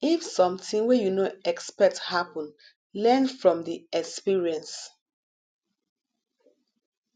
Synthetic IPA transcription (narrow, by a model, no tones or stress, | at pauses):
ifsɔ̃mtĩŋwɛjunoɛkspɛk̚thapɔ̃n | lɛnfɹɔ̃mdiɛkspiɹiɛ̃ns